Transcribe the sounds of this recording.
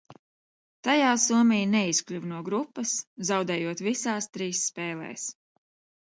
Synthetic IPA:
t̪ajaːsuɔmijnɛisklʲuvnuɔɡɾupːɐszawd̪ɛːjuɔt̪visaːst̪ɾiːsːpɛːlɛ̰ːs

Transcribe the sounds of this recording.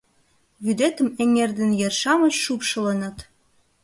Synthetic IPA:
βyd̪et̪ə̆meŋerd̪ĕnjerʃɑmɤ̆t͡ɕʃupʃɤ̆lɤ̆nɤ̆t̪

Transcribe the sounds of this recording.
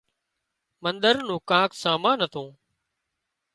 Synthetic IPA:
mənd̪əɾnũːkãːksaːmãːnət̪ʰũː

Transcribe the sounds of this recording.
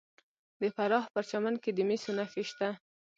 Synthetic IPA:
d̪əfaɾɑxpəɾt͡ʃamanked̪əmisonafeʃt̪a

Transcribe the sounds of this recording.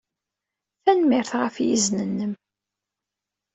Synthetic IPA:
θænmɪɾθʁəfjḭznənːəm

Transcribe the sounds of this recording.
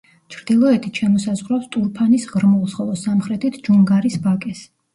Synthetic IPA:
t͡ʃʰɾd̪̥ilˠɔɛt̪ʰitʃɛmɔsazʁɾapst̪ʼuɾpʰanisʁɾmulˠsχɔlˠɔsamχɾɛt̪ʰit̪ʰd͡ʒuŋɡaɾisbakʼɛs

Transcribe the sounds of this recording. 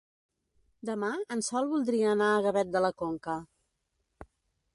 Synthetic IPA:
d̪əmaənsɔlˠβulˠd̪ɾiəːnaəɣəβɛt̪̚d̪ələkoŋkə

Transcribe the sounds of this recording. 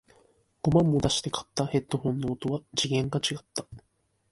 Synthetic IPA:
ɡ̥o̞mãmːo̞d̪aɕi̥t̪e̞kʰḁt̪ːahe̞t̪ːo̞hõ̞nːo̞ːt̪o̞βaʑiɡẽ̞ŋɡat͡ɕiɡat̪ːḁ

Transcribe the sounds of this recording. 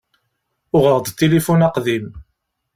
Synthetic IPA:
ʊʁəɾd̪ˤt̪ːelifunɑqðim

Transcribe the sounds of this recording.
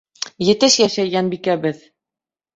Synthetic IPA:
jɘ̆t̪ɘʃjæʃæjjænbikæbɘð

